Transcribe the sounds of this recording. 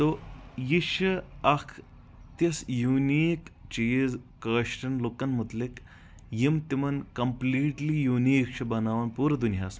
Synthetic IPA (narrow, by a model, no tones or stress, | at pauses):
t̪ojiʃiɐkʰ | t̪isjuniːkt͡ʃiːzkɐːʃʈɐnlukɐnmut̪lik | jimt̪imɐnkɐmpliːʈlijuːniːkʃʰɐbɐnaːʋɐnpuːɾɐd̪unjaːsm